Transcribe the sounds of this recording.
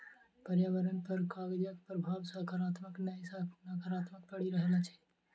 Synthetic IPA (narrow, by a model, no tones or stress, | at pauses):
pəɾjaːʋəɾənpəɾkaːɡd͡ʒəkpɾəbʱaːʋsakaɾaːt̪məknəisanakaɾaːt̪mək̚pəɽiɾəɦlat͡ʃʰɛ̥